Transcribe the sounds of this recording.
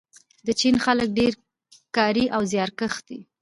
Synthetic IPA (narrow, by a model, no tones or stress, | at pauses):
d̪ət͡ʃinxalək̚ɖeɾ | kɑɾiʔawzjɑɾkəxd̪̥ḭ